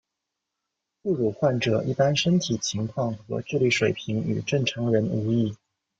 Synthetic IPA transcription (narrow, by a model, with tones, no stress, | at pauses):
pu˥˩ɻu˨˩xwa˥˩nʈ͡ʂɤ˨˩ʔi˥˩pa˥nʂə˥nt̪ʰi˨˩t͡ɕʰi˧˥ŋkʰwɑ˥˩ŋxɤ˧˥ʈ͡ʂɻ̩˥˧li˥˩ʂwe˨˩ɪpʰi˧˥ŋy̰˨˩ʈ͡ʂɤ˥˩ŋʈ͡ʂʰɤ˧˥ŋɻə˧˥nu˧˥i˥˩